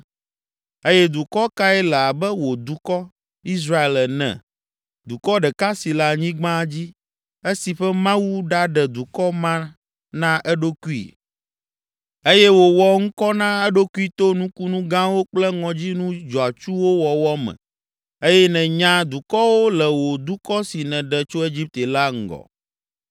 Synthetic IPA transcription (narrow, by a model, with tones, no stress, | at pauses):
e˦jɛ˦d̪u˨kɔ˦ka˦ɛ˦lɛ˨a˨bɛ˦wo˨d̪u˨kɔ˦ | i˦s̬ɾa˦e˨lɛ˨nɛ̰̃˨ | d̪u˨kɔ˦ɖɛ˨ka˦si˨la˨ɲĩ˦ɡ͡bã˦d͡ʑi˦ | e˦si˨ɸɛ˦mã˦wu˦ɖa˦ɖɛ˨d̪u˨kɔ˦mã˦ | nã˦ʔɛ˦ɖo˦ku˦ḭ˨ | e˦jɛ˦wo˨wɔ˨ŋ̩̃˦kɔ˦nã˦ɛ˦ɖo˦ku˦i˦t̪o˦nũ˦ku˦nũ˦ɡã˦wo˦k͡plɛ˦ŋɔ̃˨d͡ʑi˦nũ˦d͡ʒɔ˨a˨t͡ʃu˦wo˦wɔ˨wɔ˦mɛ̰̃˨ | e˦jɛ˦nɛ̃˨ɲã˦d̪u˨kɔ˦wo˦lɛ˨wo˨d̪u˦kɔ˦si˨nɛ̃˨ɖɛ˨t͡ʃo˦e˦d͡ʑi˦p̚t̪e˨la˦ŋ̩˨ɡɔ̰˨